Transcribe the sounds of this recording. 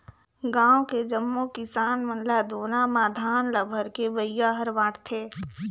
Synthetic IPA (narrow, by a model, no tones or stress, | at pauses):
ɡãːoked͡ʒəmːokɪsaːnmənlad̪ʱoːnãmaːd̪ʱaːnləbʱəɾkebəɪjaɦəɾʋaːʈt̪ʰeː